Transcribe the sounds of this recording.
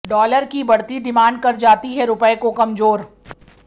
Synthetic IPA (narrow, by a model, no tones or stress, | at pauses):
ɖɔːləɾkibɐɽt̪id̪ɪmaːɳɖ̚kɐɾd͡ʒaːt̪iɦɛɾʊpəekokɐmzoːɾ